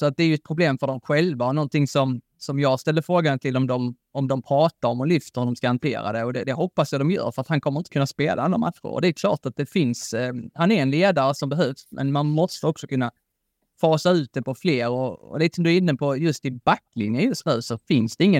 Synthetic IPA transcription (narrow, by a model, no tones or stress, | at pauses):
sɔat̪̚d̪ɛæɾjɵɛt̪̚pʰɾʊbleːmfœɖɔmɧɛlvaɔnɔnt̪ɪŋsɔm | sɔmjɑːɡst̪ɛlːəfɾoːɡant̪ʰɪlːɔmd̪ɔm | ɔmd̪ɔmpʰɾɑːt̪aɾɔmɔlʏft̪əɾhʉd̪ɔmskahant̪ʰḛːɾa̰d̪ɛɔd̪ɛd̪ɛɦɔpːasjad̪ɔmjœ̰ːɾfœɾat̪hankʰɔmːəɾɪnt̪ə̥kʰɵnːaspḛːla̰ʔanɾamat̪ɧʊ̰ɾɔ̰d̪ɛæɾkʰlɑ̰ːʈat̪̚d̪ɛfɪnshanæɾɛnleːd̪aɾəsɔmbɛɦœvsmʔɛ̰nmanmɔst̪əɔksɔkʰɵnːa | fɑːsaʉ̟ːt̪̚d̪ɛpʰɔfleːɾɔɔ̰liːt̪əsɔmd̪ɵɪnːəpʰɔjɵst̪ɪbakːlɪ̰njənjɵst̪ɾaːsɔfɪnsd̪ɛɪŋːə